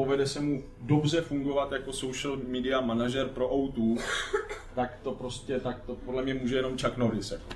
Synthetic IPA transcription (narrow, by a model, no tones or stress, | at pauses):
o̞vɛdɛsɛmu | do̞br̝ɛfuŋɡo̞vat̪jako̞so̞wʃlmidɪamanaʒɛɾpɾo̞ʔawt̪u | t̪akt̪o̞pɾo̞scɛt̪ak̚t̪o̞podlɛmɲɛmuːʒɛjɛno̞mt͡ʃaknoɾɪsjako